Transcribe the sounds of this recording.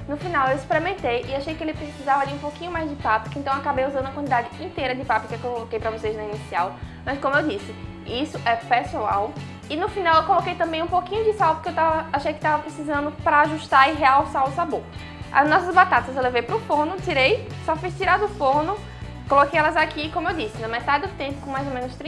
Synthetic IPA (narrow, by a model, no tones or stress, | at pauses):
nʊfinawewispɾemẽnt̪ejʔɪaʃejkɪelɪpɾesizavɐd͡ʒɪũpokĩɲʊmajzd͡ʒɪpapɪkɪẽnt̪ɐ̃w̃akabejuzɐ̃nd̪uɐkwɐ̃nt̪id̪ad͡ʒɪĩt̪ejɾɐd͡ʒɪpapɪkɪewkokolokejpɾɐvoseznɐinisiawmɐskõmʊewd͡ʒisɪ | isʊʔɛpesua̰w | ɪnʊfinawewkolokejt̪ɐ̃mbẽj̃ũpokĩɲʊd͡ʒɪsawpʊ̥o̥keewt̪avɐaʃejkɪ̥t̪avɐpɾesizɐ̃nd̪ʊpɾɐaʒuʃt̪aɾɪɦeawsaʊsaboɾ | a̰nɔsɐzbat̪at̪ɐzewlevejpɾʊfonʊt̪iɾejsɔfijst̪iɾad̪ʊfohnʊ | kolokejɛlɐzakikõmʊewd͡ʒisɪnɐmɛt̪adɪd̪ʊt̪ẽmpʊ̥kõmajzomẽnʊst̪ɾĩ